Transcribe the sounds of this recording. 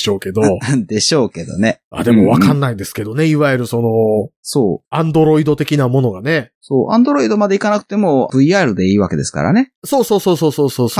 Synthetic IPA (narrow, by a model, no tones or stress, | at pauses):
ɕo̞ːke̞d̪od̪e̞ɕo̞ːke̞d̪o̞̰ne̞a̰ːd̪e̞mo̞βakãnːaid̪e̞sɨ̥ke̞d̪o̞ne̞iβaeɾɯ̟sono̞soːãnd̪o̞ɾo̞id̪o̞t̪e̞kʲinamo̞no̞ɡane̞soːʔã̰nd̪o̞ɾo̞id̪o̞mad̪e̞ikanakɯ̟̥t̪e̞mo̞b̥ɯ̟iaːɾɯ̟d̪e̞iːβake̞d̪e̞sɨ̥ka̰ɾa̰ne̞so̞ːso̞ːso̞ːsoːso̞ːsoːs